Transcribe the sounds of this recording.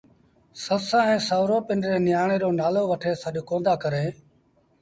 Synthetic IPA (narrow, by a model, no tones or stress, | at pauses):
səsãːɛ̃ːsaːʋɾoːpɪnɾeːnɪjaːɳ̃eːɾoːnaːloːʋəʈʰeːsəɗokõːnd̪aːkəɾeː